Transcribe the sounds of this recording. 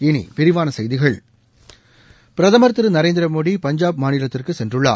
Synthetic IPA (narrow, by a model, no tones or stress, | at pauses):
ɪnḭpɪɾɪʋaːnɐsɐjðɪɣɐɭ | pɪɾɐðɐmɐɾt̪ɯɾɯnɐɾeːnd̪ɾɐmoːɽipɐɲd͡ʒaːb̚maːnɪlɐt̪ːɪrkɯsɛndrɯɭːa̰ː